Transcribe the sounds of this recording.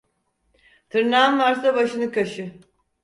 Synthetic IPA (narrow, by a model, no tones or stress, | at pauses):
t̪ʰɯɾnaːnmaɾsabaʃɯnɯkʰaʃɯ